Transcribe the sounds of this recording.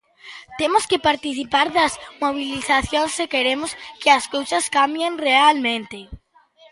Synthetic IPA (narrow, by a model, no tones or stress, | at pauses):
t̪emʊskɪpaɾt̪iθipaɾðɐzmoβ̞iliθaθjoŋsekeɾemʊskɪɐskowsɐskambjenrealmẽnt̪ɪ